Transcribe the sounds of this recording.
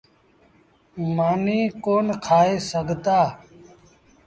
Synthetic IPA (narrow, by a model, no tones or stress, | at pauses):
maːniːkoːnkʰaːeːsəɡʱt̪aː